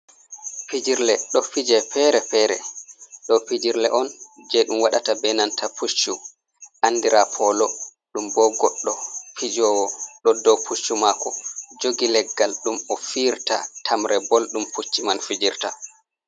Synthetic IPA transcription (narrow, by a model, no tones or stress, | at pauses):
pid͡ʒiɾlɛɗɔfid͡ʒɛpɛɾɛpɛɾɛ̰ɗɔpid͡ʒiɾlɛ̰ʔɔnd͡ʒɛɗumwaɗatabɛnantʰapʰut͡ʃːu | ʔandiɾapʰɔlɔ | ɗumbɔɡɔɗːɔpʰid͡ʒɔːwɔɗɔdɔwpʰut͡ʃːumakɔd͡ʒoɡilɛɡːalɗumɔfiːɾta̰tʰamɾɛbolɗumput͡ʃːimanfid͡ʒiɾta̰